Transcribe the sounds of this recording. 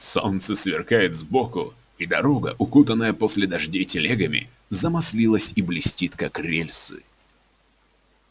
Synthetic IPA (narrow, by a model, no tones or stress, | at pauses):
so̞̰nt̪səsvʲɪ̰rkajɪt̪zbokʊ̰ | id̪ɐ̰ɾoɡə̰ʔʊkut̪ənːəjəpo̞sʲlʲɪd̪ɐʐdʲejtʲɪlʲeɡəmʲɪ̰ | zəmɐsʲlʲilˠəsʲiblʲɪsʲtʲit̪kɐkɾʲelʲsɨ̰